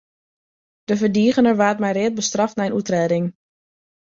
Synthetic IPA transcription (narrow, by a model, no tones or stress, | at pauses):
d̥əvərdiːɣənəɹʋaːtmɛjrɪːət̚bəstrɑftnajənutrɛːdɪŋ